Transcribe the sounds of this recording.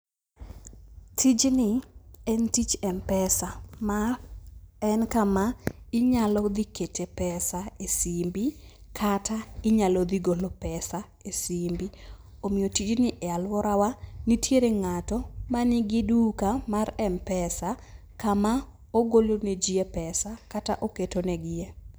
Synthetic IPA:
tʰid͡ʒnɪɛntit͡ʃɛmpɛsama | ɛnkamaɪɲalɔd̪iketʰepɛsaesimbikʰataɪɲalɔd̪iɡolopɛsa | esimbi | omɪjotit͡ʃnɪʔɛalwɔɾʔawanitjeɾeŋatɔmanɪɡɪdukamaɾɛmpɛsa | kama | oɡoloned͡ʒiepɛsakataʔoketonɛɡɪe

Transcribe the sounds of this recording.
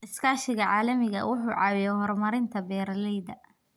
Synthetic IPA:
ʔɪskʰaːʃɪɣɐʕaːlɐmɪɣɐ̰wʔʊħuːʕɑːwɪjɛhɔrmɐɾɪnt̪ʰɐbɛːɾlɛjðɐ

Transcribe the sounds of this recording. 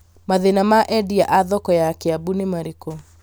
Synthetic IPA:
maðenamaʔɛdiaʔaðɔkɔjakeabunemaɾeko

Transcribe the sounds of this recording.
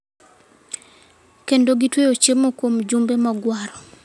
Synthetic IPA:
kendoɡitwejot͡ʃemokwomd͡ʒumbemɔɡwaɾɔ

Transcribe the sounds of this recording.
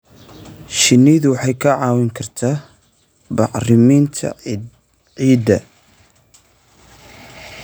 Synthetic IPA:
ʃɪnːɪðʊwɑħɑjkʰɐʕɑːwɪŋkʰɐrt̪ʰaː | bɑħrɪmint̪ʰɐ̰ | ʕiːd̪ɐ

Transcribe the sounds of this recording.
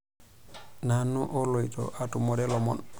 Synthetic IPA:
nanːuʔɔlojtɔ̰ʔatumɔɾɛlɔmɔ̰n

